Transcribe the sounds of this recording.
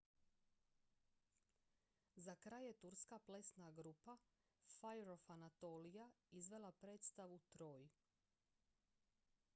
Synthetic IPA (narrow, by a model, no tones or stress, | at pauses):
zakɾaːje̞t̪uɾskaple̞snaɡɾupa | fajɾofanat̪oːlijaizʋe̞lˠapɾe̞ːt̪st̪aʋut̪ɾo̞ːj